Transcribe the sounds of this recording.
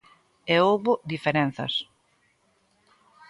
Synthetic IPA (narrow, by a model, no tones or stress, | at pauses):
eowβʊd̪ifeɾen̟θɐ̰s